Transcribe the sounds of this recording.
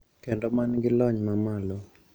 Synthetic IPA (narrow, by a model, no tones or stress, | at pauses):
kendɔmanɡɪlɔɲmamalɔ